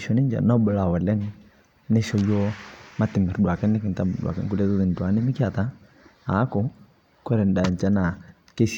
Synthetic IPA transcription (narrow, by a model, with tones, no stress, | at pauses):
ʃɔ˨nɛ˦ɲd͡ʒa̰˨nɔ˦bɔ˨˦la˨wɔ˨lɛ˦ŋ | nɛ˦ʃɔ˦jɔ˦ma˦ti˨mɛ˨ɾdwa˨kɛ˦nnɛ˦ki˨nta˦m˨ɗwa̰˨kɛ̰˨ŋku˦lɛ˦ðu˦ði˨n˨tu˨a˨˦nɛ˦mi˦kja˨ta˦ | a˨˦kɔ˦ | kɔ˦ɾɛ˨nda˨nt͡ʃa˦na˨ | ke˦ʃ